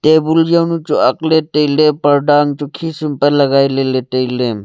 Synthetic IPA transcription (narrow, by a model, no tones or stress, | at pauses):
t̪eːbuljɐnut͡ʃoɐkleːʈeileːpɐɾɖaːŋt͡ʃukʰiːsumpɐlɐɡaːileleʈeileːm